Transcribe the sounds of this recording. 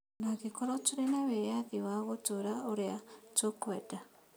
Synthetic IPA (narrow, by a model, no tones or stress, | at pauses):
nakekɔɾɔtoɾenawɛjaðiwaɣotoɾaoɾeatokwɛda